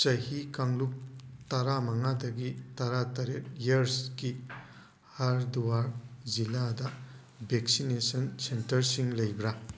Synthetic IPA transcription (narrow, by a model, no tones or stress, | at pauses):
t͡ʃɐhikaŋlup̚t̪aɾamaŋadɐɡit̪aɾat̪aɾeʔjɐɾsɡi | haɾduwaɾziladɐ | beksinesɐnsentɐɾsiŋlɐjbɾa